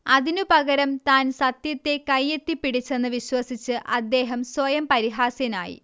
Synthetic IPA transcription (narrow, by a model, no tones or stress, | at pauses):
ɐðinupɐɣɐɾɐmt̪aːnsɐt̪jɐt̪ːe̞kɐjːe̞t̪ːipːiɽit͡ɕːe̞nːɨʋiɕwɐsit͡ɕːɨʔɐd̪ːe̞ːɦɐmswɐjɐmpɐɾiɦaːsjɐna̰ːjḭ